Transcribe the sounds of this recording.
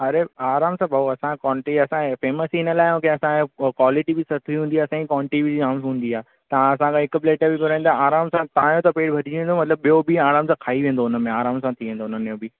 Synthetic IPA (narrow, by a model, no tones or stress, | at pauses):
ɐɾeaːɾaːmsãbʱaɐsãkɔːɳʈiɐsãfeːməsiɪnəlaːɪmũːkʰeɐsãkwaːlɪʈibɪsɐt̪ʰiɦũːnd̪iaːɐsãikɔ̃ːɳʈibid͡ʑaːmsɦũːnd̪iaː | t̪ɐʋãɐsãkʰãɪkbleːʈəbɪkɐɾ̃n̆d̪aaːɾaːmsãt̪ɐãjõt̪ɐpeːʈbʱɐdʱiʋẽːnd̪omɐt̪ləb̚ɓijobiaːɾaːmsãkʰaːiʋẽːn̆d̪oʊnəmẽaːɾaːmsãt̪ʰiʋẽːnd̪oʊnənmejobi